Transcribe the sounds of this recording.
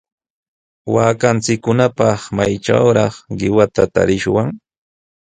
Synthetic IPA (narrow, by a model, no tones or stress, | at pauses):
waːkant͡sɪkːʊnapɑχmajʈ͡ʂa̰wɾɑχɢɪwat̪at̪a̰ɾɪʃwaŋ